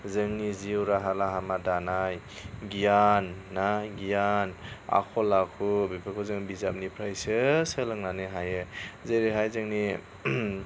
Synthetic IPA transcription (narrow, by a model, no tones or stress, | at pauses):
zɯŋniziwɾaɦalaɦamadanaj | ɡijanːaɡijana̰kʰɔlakʰubipʰakʰuzɯŋbizap̚nipʰɾajsɯsɯlɯŋnanɯɦajɯzeɾiɦajzɯŋni